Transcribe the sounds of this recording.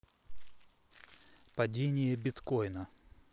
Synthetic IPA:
pɐdʲenʲɪjəbʲɪt̪kojnə

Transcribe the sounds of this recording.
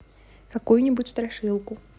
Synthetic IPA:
kakujunʲibut͡sʲst̪ɾaʂɨlˠku

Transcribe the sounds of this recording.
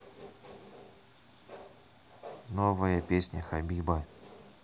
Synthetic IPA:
novəjəpʲesʲnʲəxɐbʲiba

